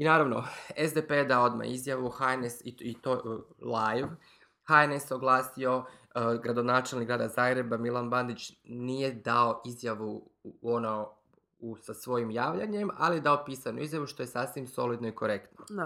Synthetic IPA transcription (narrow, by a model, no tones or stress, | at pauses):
inaːɾaʋno̞̰ezd̪eped̪aoo̞d̪ma̰izjaʋuhaenesiit̪olˠajʋ | haeneso̞ɡlˠaːsio̞ɡɾad̪o̞naːt͡ʃelniɡɾaːd̪azaːɡɾe̞bamilˠanband̪it͡ʃnije̞d̪ao̞ʔizjaʋuono | usasʋo̞jimjaːʋʎaɲe̞ma̰lije̞d̪ao̞piːsanṵizjaʋuʃt̪o̞je̞sasʋimso̞lid̪no̞iko̞ɾe̞kt̪no